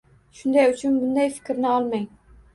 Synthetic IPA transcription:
ʃʊnd̪ajʊt͡ʃʰʊnbʊnd̪ajfɪ̥kʲɾnɪɒlˠmaj

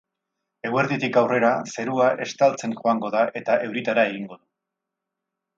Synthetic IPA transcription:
e̞ɣwe̞ɾðit̪ikawre̞ɾase̞ɾuaʔe̞st̪alt͡se̞nʝo̞aŋɡo̞ðaʔe̞t̪aʔe̞wɾit̪aɾae̞ɣ̞iŋɡo̞ðu

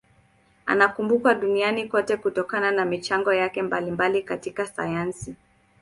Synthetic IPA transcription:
a̰nakumbukaɗunianikɔtɛkutɔkananamit͡ʃaŋɡɔjakɛmbalimbalikatikasa̰jansi

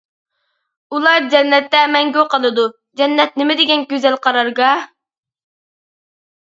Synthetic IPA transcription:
ulˠɑɾd͡ʒɛnːɛt̪ːɛmɛŋɡʲøqəlˠɨd̪u | d͡ʒɛnːɛt̪̚nɪmɪd̪ɪɡʲɛnkʲøzɛlqʰɑɾɑɾɡɑ

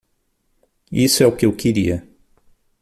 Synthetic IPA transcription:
isʊɛʊkɪewkeɾiɐ

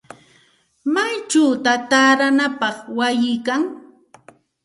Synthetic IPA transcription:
majt͡ʃawt̪at̪aɾanapɑχwajɪjkaŋ

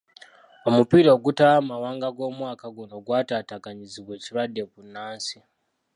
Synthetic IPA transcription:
omupiɾooɡutamawaŋɡaɡomwakaɡonoɡwatatakaɲid͡ziket͡ʃiradekunaːnsi

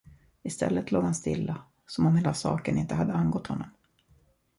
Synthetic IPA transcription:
ɪst̪ʰɛ̰lːət̪loːɡhanst̪ɪ̰lːa | sɔmɔmheːlasɑ̰ːkənɪnt̪əɦad̪ːəanɡɔt̪ːhɔnːɔm

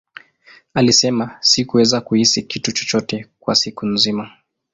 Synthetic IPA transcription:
alisɛmasikuwɛzakuhisikitut͡ʃɔ̥t͡ʃɔtɛkwa̰sikunzima

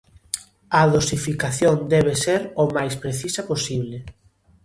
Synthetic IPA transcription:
aðosifikaθjond̪ɛβeseɾomajspɾeθisaposiβle

